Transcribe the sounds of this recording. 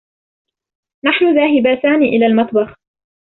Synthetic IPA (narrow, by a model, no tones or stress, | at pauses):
naħnʊðaːɦɪbaːsaːniʔɪlaːlmɑt̪ˤbɑx